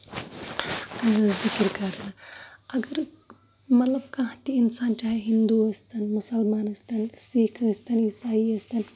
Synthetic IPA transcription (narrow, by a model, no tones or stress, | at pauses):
zɪkɾkɐɾnɐɐɡɐɾ | mɐt̪lɐb̚kãt̪iːnsaːnt͡ʃaːɦeɦind̪uɐst̪ɐnmʊsɐlmaːnɐst̪ɐnsikʰɐst̪ɐnisaːiɐst̪ɐn